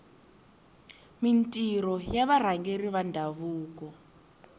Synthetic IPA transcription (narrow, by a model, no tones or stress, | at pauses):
mintʼiɾɔjaβaɾ̤aŋɡeriβandʱaβuːkɔ